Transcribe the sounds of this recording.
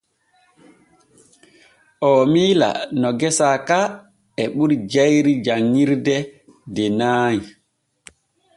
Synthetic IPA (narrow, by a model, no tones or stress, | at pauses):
ʔɔːmiːla̰nɔɡɛsaːka | ɛɓuɾd͡ʒɛjɾid͡ʒaŋːiɾdɛ | dɛnaːji